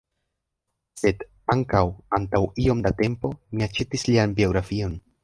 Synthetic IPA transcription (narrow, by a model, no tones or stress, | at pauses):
se̞d | aŋkawantawio̞mdate̞mpo̞miat͡ʃe̞tislianbio̞ɡɾafio̞n